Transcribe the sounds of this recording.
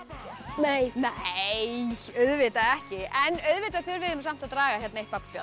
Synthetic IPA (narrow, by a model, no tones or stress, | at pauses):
nejnɛjœɥðvɪt̪aɛhcɪɛnœɥðvɪːt̪at̪ʰʏɾvɪðʏmsam̥t̪aðt̪ɾaːɣaçjɛt̪nejhpapapjɔ̰